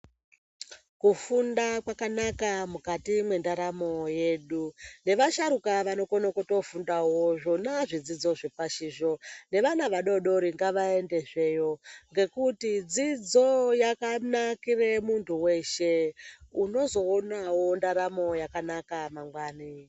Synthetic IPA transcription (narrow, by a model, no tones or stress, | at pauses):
kufundakwakanakamukatimwe̞ndaɾamo̞je̞ɗune̞ʋaʃaɾukaʋano̞konokoto̞fundawoʐo̞naʐid͡zid͡zo̞ʐepaʃiːʐo̞ne̞ʋanaʋaɗo̞ɗo̞ɾiŋɡaʋae̞nde̞ʐe̞jo̞ŋɡe̞kutid͡zid͡zo̞jakanakire̞muntʰuwe̞ʃe̞uno̞zo̞ːnawondaɾamo̞jakanakamaŋɡwaːni